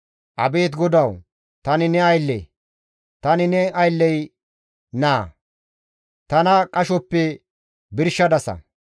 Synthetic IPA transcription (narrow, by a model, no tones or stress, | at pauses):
ʔɐ̰be̞ːt̪ɡɔd̪ɐw | t̪ɐnɪnɛɐjlːḛ | t̪ɐnɪnɛɐjlːɛj | naː | t̪ɐnɐkʼɐʃɔpːɛ | bɪɾʃːɐd̪ɐsɐ̰